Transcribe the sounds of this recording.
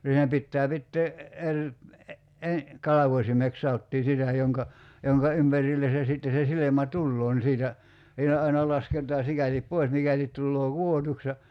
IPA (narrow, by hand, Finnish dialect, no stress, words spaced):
siːnæ pitːæː pitːeː erʲ e kɑlɑʋosʲimek sɑotːiː sitæ joŋkɑ joŋkɑ ympærilːe se sitːe se silemæ tulːoː ni siːtæ siːnæ ɑinɑ lɑsketˑɑː sikælip poi̞s mikælit tulːoː kuotuks jɑ